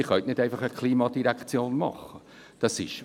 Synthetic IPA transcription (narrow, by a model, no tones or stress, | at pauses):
ɪχœtnɪdæɪfɑχəkʰliːmɑdiɾækt͡sjoːnmɑ̰χə | d̥ɑsɪʃ